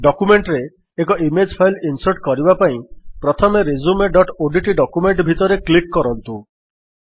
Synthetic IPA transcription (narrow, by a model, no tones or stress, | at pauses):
ɖɔkumeɳʈɾeː | kɔʔimed͡ʒpʰajlinsɔʈkɔɾibapaĩpɾɔt̪ʰɔmeɾezumeɖɔʈoɖiʈiɖɔkumeɳʈbʱit̪ɔɾeklikːɔɾɔnt̪u